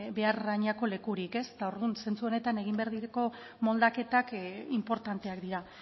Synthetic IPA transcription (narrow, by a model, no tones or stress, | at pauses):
be̞arɣaɲako̞le̞kuɾike̞se̥t̪ao̞ɾðunse̞nt͡suo̞ne̞t̪ane̞ɣ̞imbe̞aɾðiɾeko̞ | mo̞ld̪ake̞t̪akimpo̞ɾt̪ant̪e̞akd̪iɾa